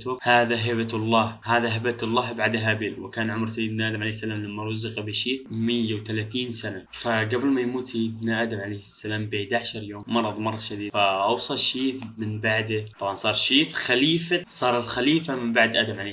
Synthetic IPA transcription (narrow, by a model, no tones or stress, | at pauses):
t̪hʊmhaːðaɦɪbat̪lˤːɑːhhaːðaɦɪbat̪ɑlˤːɑːhbaʕd̪aɦabiːlwɪkaːnʕʊmɾsajːɪd̪̚bnʔaːd̪amʕlejhsːalaːmlamːaɾˤʊzːɪqbɪʃiːθmɪjːawt̪alaːθiːnsanafaɡabɪlmajmuːt̪sajd̪naʔaːd̪amʕalajhɪsːalaːmbɪʕd̪aʕaʃɑɾˤjoːmmɑɾˤɑðˤmɑɾˤɑd̪ʃad̪iːd̪faʔɑwsˤɑlʃiːθmɪnbaʕd̪at̪ˤɑbʕɑnsˤɑːɾˤʃiːθxaliːfasˤɑːɾˤɑt̪xaliːfamɪmbaʕd̪ʔaːd̪amʕale